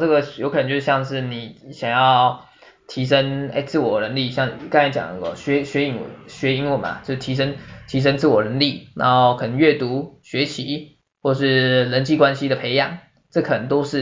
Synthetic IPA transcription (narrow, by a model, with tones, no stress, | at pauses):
ʈ͡ʂɤ˥˩ɡə˨jo˧ʊk̪ʰə˦t͡ɕjo˧ʂ̩˥jɑ˥˧ŋʂɻ̩˥˩ni˨˩˦ɕjɑ˨˩ŋjɑ˥˩ʊ | t̪ʰi˧˥ʂə˦˥ŋḛ˥˩t͡sɹ̩˥˩wɔ˨˩ɻə˧˥ŋli˥˩ɕjɑ˥˩ŋ˨ka˥t͡ɕjɑ̰˨˩ŋnə˥˧ɡə̰˧˩ɕɥɛ˧˥ɕɥɛ˧˥i˧˥ŋ̰˨˩ɕɥɛ˧˥i˧˥ŋwə˨˩ma̰˩t͡ɕjo˥˧ʊʂ̩˧t̪ʰi˧˥ʂ̬ə˥ŋt̪ʰi˧˥ʂ̬ə˥ŋt͡sɹ̩˥˩wɔ˨˩ɻə˧˥nli˥˩nʔa̰˧˥ŋxo˥˧ʊkʰɤ˨˩nə˧ŋɥɛ˥˩t̪u˧˥ɕɥɛ˧˥t͡ɕʰi˧˥ | xwɔ˥˩˨ʂɻ̩˥˩lə˧˦˥nt͡ɕi˥˩kwa˥nɕi˥d̪ə˨pʰe˧˥ɪjɑ̰˨˩˦ŋ | ʈ͡ʂɤ˥˩kʰɤ˨˩nə˧˦ŋt̪o˥ʊʂɻ̩˥˩